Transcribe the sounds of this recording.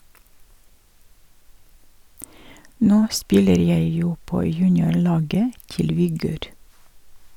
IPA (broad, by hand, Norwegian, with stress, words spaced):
ˈnoː ˈspɪləɾ ˈjæɪ ˈjuː ˈpoː ˈjʉːnɪʊˌɭɑːɡə ˈtɪl ʋɪˈɡøːɾ